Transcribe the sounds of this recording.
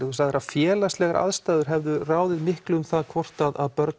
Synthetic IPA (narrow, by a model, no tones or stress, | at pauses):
ɪusaðɛɾḁfjɛːlast̪lɛɣaɾʔa̰ðst̪aːjðʏɾ̥ɦɛvðʏraːwðɪðmɪhklʏʏmθaðkʰvɔr̥t̪aðaðpœɾt̪